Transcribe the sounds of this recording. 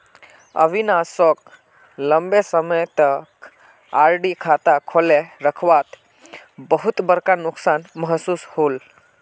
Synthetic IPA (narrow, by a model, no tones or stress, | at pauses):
ə̰ʋinasɔk̚ | ləmbesəməjt̪ək | aɾɖikʰat̪akʰɔleɾəkʰʋat̪ | bəɦut̪bəɾkanuksanməɦəsuːshol